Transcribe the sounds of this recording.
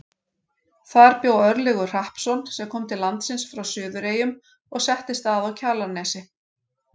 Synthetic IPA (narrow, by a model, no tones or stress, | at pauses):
θaɾpjoːwœɾlɛɣʏ̥r̥ahpsɔnsɛmkʰɔːmt̪ʰɪlant̪sɪnsfɾawsʏːðʏɾeːjʏm | ɔɣsɛht̪ɪst̪aðawcʰaːlanɛːsɪ